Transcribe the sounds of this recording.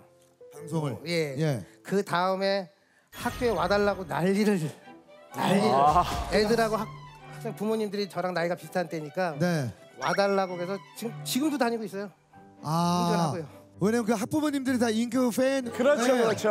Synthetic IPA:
kansʰoŋɯɭje̞je̞kɯtaɯme̞ | hak̚k͈joewadaɭːaɡonaʎːiɾʌd͡ʑinaʎːiedɯɾɦaɡoɦak̚hak̚s͈aŋepumoɲimdɯɾit͡ɕʌɾaŋnaɭɡapistʰant͈ʰeɲik͈ane̞ | wadaɭːaɡokesʰʌt͡ɕiɯt͡ɕiɡɯmdotaɲiɡois͈ʌjo | aoaɡojo | weɲamɯnkɯɦak̚p͈umoɲimdɯɾitaiŋkʰɯpʰenkɯɾʌoɾʌt͡ɕʰo

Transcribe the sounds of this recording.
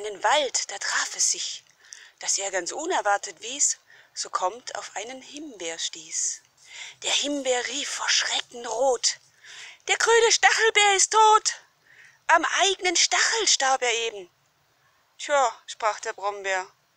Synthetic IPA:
ʔaɪnənvaltd̥aːtʁ̥aːfɛsz̥ɪç | d̥asʔeːɐɡant͡sʔʊnɛɐvaɐtətv̥iːsz̥oːkʰɔmtʰa̰ʊfʔaɪnənhɪmbeːɐʃtiːs | d̥eːɐhɪmbeːɐʁiːfːoːɐʃʁ̥ɛkŋ̩ʁoːt | d̥eːɐɡʁyːnəʃtaχl̩beːɐɪstʰːoːt | ʔamʔaɪɡənənʃtaχl̩ʃtaɐpeːɐeːbm̩ | tʰjaːʃpʁ̥aːχd̥eːɐbʁɔmbeːɐ

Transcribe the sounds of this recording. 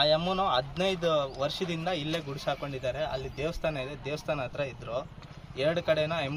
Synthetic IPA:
ajɐmːunuɐd̪nɐjd̪uʋɐɾʂɐd̪ind̪ɐilːe̞ːɡuɽusaːko̞ɳɖid̪ːaːɾe̞ʔɐlːid̪eːʋɐst̪ʰaːnɐid̪ed̪eːʋɐst̪ʰaːnɐaɐt̪ɾɐid̪ɾoː | ɛɾɐɽukɐɽenɐem

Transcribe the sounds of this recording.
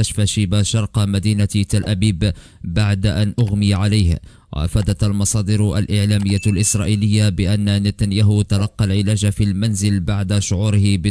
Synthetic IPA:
aʃfaʃiːbaʃɑɾˤqmad̪iːnat̪t̪alʔabiːb | baʕd̪aʔanʔʊɣmɪjʕalajh | wa̰ʔa̰faːd̪at̪almɑsˤɑːd̪ɪɾʔa̰lʔɪʕlaːmɪjːalʔɪsɾˤɑːʔiːlɪjːabɪʔanːanɪt̪anjaːɦhʊt̪alɑqːɑlʕɪlaːd͡ʒfilmanzɪlbaʕd̪aʃʊʕuːɾɪhɪbɪ

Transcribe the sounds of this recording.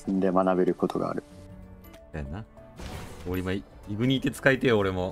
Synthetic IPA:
sɨ̃nd̪e̞manabe̞ɾɯ̟ko̞t̪ʰo̞ɡa̰ːɾɯ̟ | sajona | oɾʲimai | iɡɯ̟ɲ̟iːt̪ːe̞t͡sɨ̥kait̪ejoːɾe̞mo̞

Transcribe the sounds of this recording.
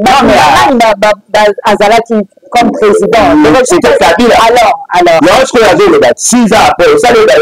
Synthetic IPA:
bameamanibababaazalaki | kɔmpχezid̪ɑ̃ɔsitakabilaalɔʁalɔjɔɔ̃skoazolokatizapɔosaleba

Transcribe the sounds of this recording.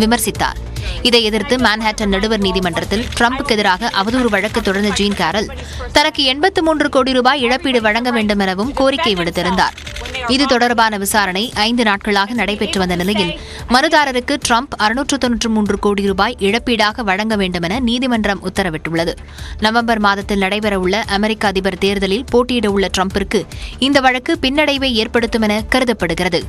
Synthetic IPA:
ʋɪmɐɾsɪt̪ːa̰ːɾ | ɪðɐɪɛðɪɾt̪ɯmaːnɦaːʈːɐnnɐɽɯʋɐɾniːðɪmɐɳɖrɐt̪ːɪlʈɾɐmpɯkːɛðɪɾaːɣɐʔɐʋɐðuːɾɯʋɐɻɐkːɯt̪ːɔɽɐɾnd̪ɐd͡ʒiːnkaːɾɐl | t̪ɐnɐkːɯɛɳbɐt̪ːɯmuːndrɯkoːɽiɾuːbaːjɪɻɐpːiːɽɯʋɐɻɐŋɡɐʋeːɳɖɯmɛnɐʋɯmkoːɾɪkːɐɪʋɪɽɯt̪ːɪɾɯnd̪a̰ːɾɪðɯt̪ɔɽɐɾbaːnɐʋɪsaːɾɐɳɐɪʔɐɪnd̪ɯnaːʈ̚kɐɭaːɣɐnɐɽɐɪpɛʈrɯʋɐnd̪ɐnɪlɐjɪl | mɐnɯðaːɾɐɾɯkːɯʈɾɐmpɐɾɯnuːʈrɯt̪ːɔnːɯʈrɯmuːndrɯkoːɽiɾuːbaːjʔɪɻɐpːiːɽaːɣɐʋɐɻɐŋɡɐʋeːɳɖɯmɛnɐniːðɪmɐɳɖrɐmʊt̪ːɐɾɐʋɪʈːʊɭːɐðɯ | nɐʋɐmbɐɾmaːðɐt̪ːɪlnɐɽɐɪpɐɾɐɯɭːɐʔɐmɛɾɪkːaɐðɪbɐɾt̪eːɾðɐlɪlpoːʈːiɪɽɐʊɭːɐʈɾɐmpɪrkɯɪnd̪ɐʋɐɻɐkːɯpɪnːɐɽɐɪʋeːeːɾpɐɽɯt̪ːɯmɛnɐkɐɾɯðɐpːɐɽɯɣɪrɐðɯ

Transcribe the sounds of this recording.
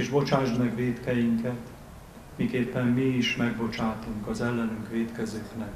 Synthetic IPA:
ʒbo̞t͡ʃaːʒmɛɡʋeːt̪kɛjiŋkɛt̪ | mikeːpːɛmːiiʃmɛɡ̚bo̞t͡ʃaːt̪uŋkɒzɛlːɛnyŋkʋeːt̪kɛzøːknɛk

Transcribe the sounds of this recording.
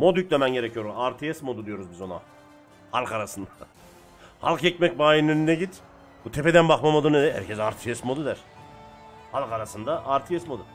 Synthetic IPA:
mo̞d̪ycʲlʲɛmɛnɟeɾecʰyjo̞ɾumaɾt̪ʰijɛsmo̞d̪ud̪ijo̞ɾuzbizo̞na̰ | ha̰lˠkʰaɾasɯnd̪a | ha̰lˠkjɛcmɛc̚baːjinønynɛɟit̪ | but̪ʰepʰed̪ænbaχmamod̪ɯneɛɦæ̰ɾcʰɛzaɾt̪ʰijɛsmo̞d̪ud̪æɾ̥ | halˠkaɾasɯnd̪aʔaɾt̪ʰijɛsmo̞d̪u

